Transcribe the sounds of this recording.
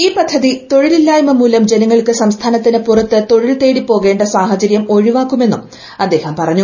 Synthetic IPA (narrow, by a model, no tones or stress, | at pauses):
iːpɐd̪ʱːɐðit̪o̞ɻililːaːjumɐmuːlɐmd͡ʑe̞nɐŋːɐɭkɨsɐmst̪ʰaːnɐt̪ːinɨpurɐt̪ːɨt̪o̞ɻilt̪e̞ːɽipːo̞ːɣe̞ːɳɖɐsaːhɐt͡ɕɐɾjɐmo̞ɻiʋaːkːume̞nːum | ɐd̪ːe̞ːhɐmpɐrɐɲːu